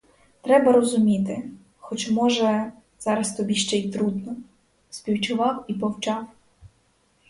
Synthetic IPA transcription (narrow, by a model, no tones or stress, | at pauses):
t̪ɾɛbɐɾɔzʊmʲit̪ɪ | xɔt͡ʃmɔʒɛ | z̥ɑɾɐst̪ɔbʲiʃt͡ʃɛjt̪ɾud̪nɔ | spʲiwt͡ʃʊʋɑwipɔwt͡ʃɑw